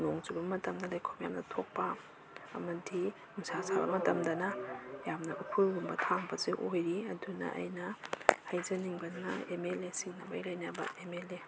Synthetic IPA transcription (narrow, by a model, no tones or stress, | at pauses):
noŋzubɐmɐtɐmdɐlɐjkʰomjamnɐtʰok̚pɐ̰ː | mɐdi | uŋsasabɐ̰mɐtɐmdɐnɐjamnɐʔupʰuɾɡumbɐtʰaŋbɐzeʔojɾiɐdunɐ̰ʔɐ̰jnɐhɐjzɐniŋbɐnɐ̰emelesiŋnɐba̰jlɐjnabɐ̰emele